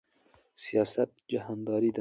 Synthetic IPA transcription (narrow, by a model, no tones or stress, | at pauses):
sijɑːsat̪̚d͡ʒahand̪ɑːɾid̪a